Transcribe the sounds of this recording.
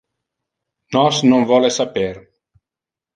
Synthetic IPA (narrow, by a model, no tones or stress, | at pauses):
nɔsnoŋvɔlesapeɾ